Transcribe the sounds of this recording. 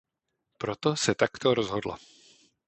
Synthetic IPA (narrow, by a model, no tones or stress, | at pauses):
pɾot̪osɛt̪akt̪oɾozɦodla̰